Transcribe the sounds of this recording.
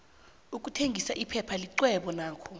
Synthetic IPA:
uk̬ʼutʰeŋɡʱisaʔipʰɛpʰaliǀwɛɓɔnaːkʰɔ

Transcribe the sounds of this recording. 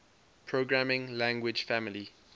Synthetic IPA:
pʰɹoɡɹamɪ̃ŋlæ̃ŋɡwɪ̥d͡ʒfamɪli

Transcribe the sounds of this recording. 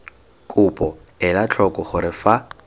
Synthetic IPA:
kʼʊpʼɔ | ɪlat͡ɬʰɔkʼɔχʊɾɪfa

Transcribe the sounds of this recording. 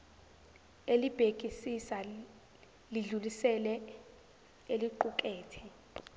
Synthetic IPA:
elib̥ʱekʼisisa | liɮulisɛlɛ | eliǃukʼeːtʰi

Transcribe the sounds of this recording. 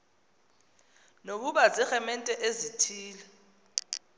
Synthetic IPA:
nok̬uɓazɛxɛmɛntʼɛʔezitʰiːlɛ

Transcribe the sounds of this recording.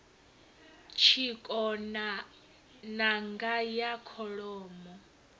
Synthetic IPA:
t͡ʃʰikʼɔna | naŋɡajakʰɔɺɔːmɔ

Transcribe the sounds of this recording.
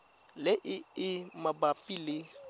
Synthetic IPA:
lɪʔɪɪmabapʼilɪ

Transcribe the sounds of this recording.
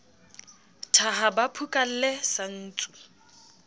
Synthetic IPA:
tʰaɦabapʰukʼal̩lesan̩ːt͡sʼu

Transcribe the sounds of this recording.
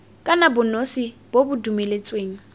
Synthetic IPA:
kʼanabʊnosib̥obʊdumelet͡sʼweːŋ̩

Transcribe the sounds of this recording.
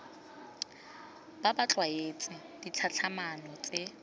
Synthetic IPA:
b̥abat͡ɬwaet͡sʼɪ | d̥it͡ɬʰat͡ɬʰamanɔt͡sʼe

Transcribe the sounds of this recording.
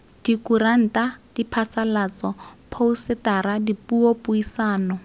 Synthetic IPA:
d̥ikuran̩tad̥ipʰasalat͡sɔpʰousɪtaɾadipuopʼʊisaːnɔ

